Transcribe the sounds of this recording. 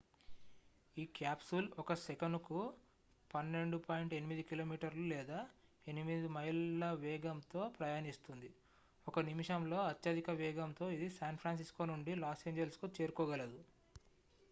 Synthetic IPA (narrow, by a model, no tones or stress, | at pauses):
iːkjaːpsulɔkɐsekɐɳɖku | pɐnːe̞ɳɖupaːjiɳʈe̞nimid̪ikilo̞ːmiːʈɐɾlulɛːd̪aː | e̞nimid̪imɐɦilɐʋɛːɡɐmt̪o̞ːpɾɐjaːnist̪und̪i | ɔkɐnimiʂɐmlo̞ːɐt̪jɐd̪ikɐʋɛːɡɐmt̪o̞ːid̪isaːnpʰɾaːns̬isko̞ːnuɳɖilaːseːɲd͡ʒelskut͡ʃe̞ːɾukɔːɡɐlɐd̪u